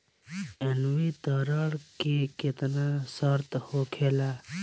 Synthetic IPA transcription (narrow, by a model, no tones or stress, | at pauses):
enʋit̪əɾəɽkeket̪nasəɾt̪hokʰela